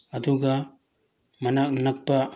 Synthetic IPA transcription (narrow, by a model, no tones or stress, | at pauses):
ɐd̪uɡa | mɐnak̚nɐk̚pa